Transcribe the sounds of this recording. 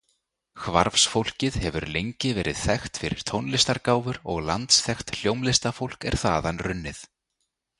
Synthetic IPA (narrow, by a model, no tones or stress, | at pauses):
xvaɾfsfowl̥cɪðhɛvʏɾlejɲcɪvɛːɾʔɪðθɛxt̪fɪɾɪɾ̥t̪ʰownlɪst̪aɾkaːwvʏɾɔɣlant̪sθɛxt̪l̥jowmlɪst̪afowl̥kɛ̰ɾ̥θaːðanrʏnːɪθ